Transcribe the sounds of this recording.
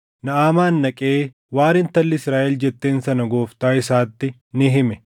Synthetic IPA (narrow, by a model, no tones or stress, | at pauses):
nɐaːmaːnːɐkʼeː | waːɾɪnt̪ɐlːɪsɾaːʔɛld͡ʒɛt̪ːe̞ːnsɐnɐɡo̞ːft̪aːɪsaːt̪ːɪ | nɪɦɪmɛ